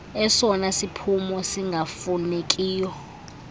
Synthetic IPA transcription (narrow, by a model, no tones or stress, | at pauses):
ɛsɔnasipʰumɔsiŋɡʱafunekʼiːjɔ